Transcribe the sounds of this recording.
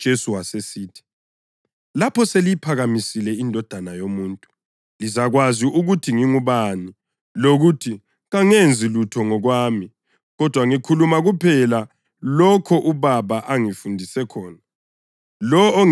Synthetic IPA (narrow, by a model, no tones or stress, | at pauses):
d̥ʒ̥ʱesuwasesiːtʰi̥ | lapʰɔselijipʰaɣamisilɛindʱɔd̥ʱanajomuːntʼu | lizaɣwaziuɣutʰiŋiŋuβani | loɣutʰi | ɣaŋend͡zʱilutʰɔŋɔɣwaːmi | ɣɔd̥ʱwaŋikʰulumaɣupʰɛla | lɔkʰɔʔuβaβaʔaŋifundʱisɛkʰɔːna | lɔː